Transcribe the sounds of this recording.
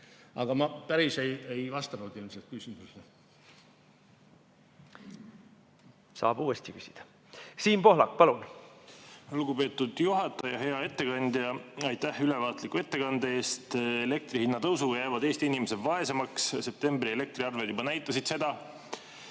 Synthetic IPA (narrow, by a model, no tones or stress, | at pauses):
ɑ̰ɡ̥ɑmɑpæɾisejejvɑst̪ɑnud̪ilmselt̪̚kysimuse | sɑ̰ːb̥uːest̪ikysʲid̪̥ɑ̥ | siːnpo̞ɦlɑkːˑpɑlun | luɡ̥upe̞ːt̪ːud̪juɦɑt̪ˑːɑjɑɦe̞ɑe̞t̪ːe̞kɑnd̪jɑɑjt̪ːæhylevɑːt̪likːue̞t̪ːe̞kɑnd̪ee̞ːst̪ele̞k̚t̪rihinːɑt̪ɤwsuɡɑjæjvɑd̪e̞ːst̪iinimese̞d̪vɑe̞se̞mɑksse̞p̚t̪e̞mbrie̞le̞k̚t̪riɑrved̪jubɑnæjt̪ːˑɑsid̪se̞d̪̥ɑ